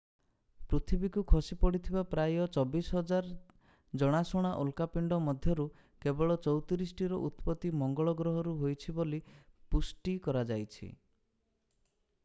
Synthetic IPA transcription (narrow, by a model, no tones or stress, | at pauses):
pɾut̪ʰibikukʰosipɔɽit̪ʰibapɾajɔt͡ʃɔbisɦɔd͡ʒaɾ | d͡ʒɔɽ̃asɔɽ̃aʔolkapiɳɖɔmɔd̪ʱjɔɾu | kebɔɭɔt͡ʃɔwt̪iɾis̬ʈiɾɔʔut̪pɔt̪imɔŋɡɔɭɔɡɾɔɦɔɾuɦojt͡ʃʰibolipusʈikɔɾad͡ʒajt͡ʃʰḭ